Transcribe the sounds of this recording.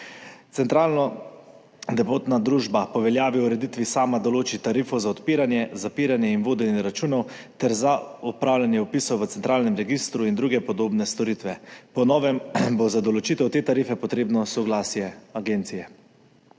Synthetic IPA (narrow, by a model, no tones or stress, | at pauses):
t̪sɛnt̪ɾaːlnɔ | d̪ɛpoːt̪nad̪ɾuːʒbapɔʋɛljaːʋiuɾɛd̪it̪ʋisaːmad̪ɔloːt͡ʃit̪aɾiːfɔwzaɔt̪piːɾanjɛzapiːɾanjɛinʋoːd̪ɛnjɛɾat͡ʃuːnɔwt̪ɛɾzaɔpɾaːwljanjɛɔpiːsɔwʋət̪sɛnt̪ɾaːlnɛmɾɛɡist̪ɾuind̪ɾuːɡɛpɔd̪oːbnɛst̪ɔɾiːt̪ʋɛpɔnɔːʋɛmbozad̪ɔlɔt͡ʃiːt̪ɛwt̪eːt̪aɾiːfɛpɔt̪ɾeːbnɔsɔɡlasjɛaɡeːnt̪sijɛ